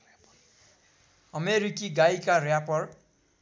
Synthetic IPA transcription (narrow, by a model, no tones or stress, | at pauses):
ʌmeɾikiɡaikarjapʌr